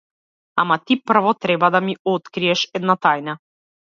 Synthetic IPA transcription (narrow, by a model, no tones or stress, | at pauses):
amat̪ipr̩vɔt̪ɾɛbad̪amiɔt̪kɾiɛʃɛd̪nat̪ajna